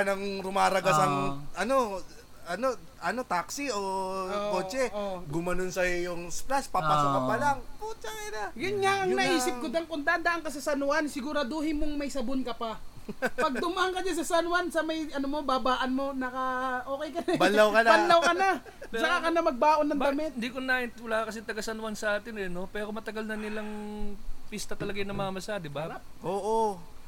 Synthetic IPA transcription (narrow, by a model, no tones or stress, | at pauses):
nɐŋɾʊmaːɾɐɡɐsɐŋʔɐno̞ | ʔɐno̞ | ɐno̞t̪aksɪoko̞ːt͡ʃɛɡʊmɐnonsɐjʊŋsplaspɐpasɐpɐpɐlaŋput͡ʃɐkɛnaɡɪnŋaŋɐŋnɐʔiːsɪp̚kod̪ɐŋkʊnd̪aʔnd̪ɐʔaŋkɐs̬ɐsɐnʊansɪɡʊɾad̪ohɪmoŋmɐjsɐbonkɐpa | pɐɡ̚d̪ʊmaʔaŋkɐɲas̬ɐsanwansɐmɐjɐnomo̞babaːʔɐnmo̞nɐkɐʔo̞ːkɛjkɐnɛbɐnːawkɐnabanːawkɐna | t͡ʃɐkakɐnamɐɡ̚baːʔonːɐŋbd̪ɐmɛt̪nd̪ikonaɪnwɐlaːɐkɐsɛt̪ɐɡasɐnwansɐʔaːt̪ɪnɛno̞pɛːɾomɐt̪ɐɡalnɐnɪlaŋ | pist̪ɐt̪ɐlɐɡajnɐŋmɐŋamɐsad̪ɪbaʔoːʔo